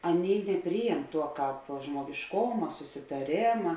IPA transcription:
ˈɑːˌnʲeːɪ nʲɛˈpʲrʲiːjɛm ˈtuɔ ˈkɑːp ʒmuɔɡʲɪʃˈkoːmɐ sʊsʲɪtɐˈrʲeːmɐ

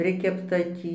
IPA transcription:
ˈpʲrʲɪkʲɛptɐ ˈtʲiː

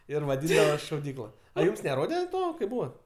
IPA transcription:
ɪr ʋɐˈdʲiːndɐʋɐs ʃɐʊˈdʲiːklˠɐ ɐ ˈjuːms nʲɛˈroːdʲɛ ˈtoː kɐɪp ˈbuːʋɐt

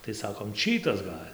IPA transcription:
tɐɪ ˈsɑːkoːm ˈt͡ʃʲiːtɐs ˈɡɐlʲ

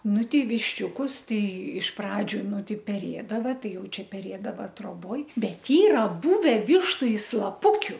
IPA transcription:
ˈnʊ ˈtʲɛɪ ʋʲɪʃʲˈt͡ʃʲuːkʊs ˈtɐɪ ɪʃ ˈprɑːd͡ʒʲʊ ˈnʊ ˈtɐɪ pʲɛˈrʲeːdɐʋɐ ˈtɐɪ ˈjɛʊ ˈt͡ʃʲɛ pʲɛˈrʲeːdɐʋɐ troːˈboːj ˈbʲɛt ˈiːrɐ ˈbʊʋʲɛ ˈʋʲɪʃtʊ ɪ slˠɐˈpʊkʲʊ

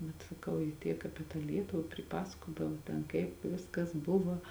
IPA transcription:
bʲɛt sɐˈkɐʊ jɪ ˈtʲiɛk ˈɑːpʲiɛ tɑː ˈlʲiɛtʊʋɐ pʲrʲɪˈpɑːsɐkoːdɐʋoː ˈtʲɛn ˈkɐɪp ˈʋʲɪskɐs ˈbʊʋɐ

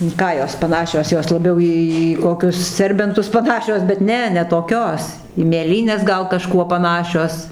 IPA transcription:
ɪn ˈkɑː joːs pɐˈnɑːʃʲoːs ˈjoːs lˠɐˈbʲɛʊ ˈiː ˈiː iː ˈkoːkʲʊs ˈsʲɛrʲbʲɛntʊs pɐˈnɑːʃʲoːs bʲɛt ˈnʲɛ nʲɛ toːˈkʲoːs iː mʲeːˈlʲiːnʲɛs ˈɡɐlˠ kɐˈʃkuɔ pɐˈnɑːʃʲoːs

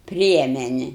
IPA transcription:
ˈpʲrʲiɛmʲɛnʲɛ

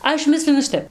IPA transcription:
ˈɐʃ ˈmʲɪsʲlʲɪnʊ ˈʃʲɪtʲɛp

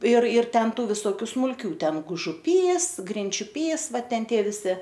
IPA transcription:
ɪr ɪr ˈtʲɛn ˈtuː ʋʲɪsoːˈkʲuː smʊlʲˈkʲuː ˈtʲɛn ɡʊʒʊˈpʲiːs ɡrʲɪnʲt͡ʃʲʊˈpʲiːs ˈʋɐt ˈtʲɛn ˈtʲiɛ ʋʲɪˈsʲɪ

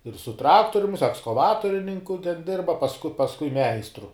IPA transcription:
ɪr sʊ ˈtrɑːktoːrʲʊm jɪs ɛkskɐˈʋɑːtoːrʲɪnʲɪŋkʊ tʲɛn ˈdʲɪrbɐ pɐsˈkʊ pɐsˈkʊɪ ˈmʲɛɪstrʊ

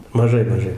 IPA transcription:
mɐˈʒɐɪ mɐˈʒɐɪ

